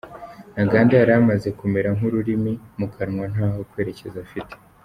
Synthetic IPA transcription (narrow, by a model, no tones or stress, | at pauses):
naɡaːndajaɾamaze̞kume̞ɾaŋ̥ɦuɾuɾimimukʰaɾŋwanaːho̞kwe̞ːɾe̞ce̞zafite̥